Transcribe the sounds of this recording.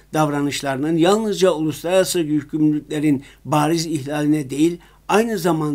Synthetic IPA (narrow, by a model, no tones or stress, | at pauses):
d̪̥ɑvɾɑnɯʃlˠɑɾɯnɯnjɑlˠnɯzd͡ʒɑulˠuslˠaɾasɯɟyycʰymlʲyclʲæɾinbɑːɾizihlʲɑːlʲinɛd̪e̞jilʲ | ɑjnɯzɑmɑn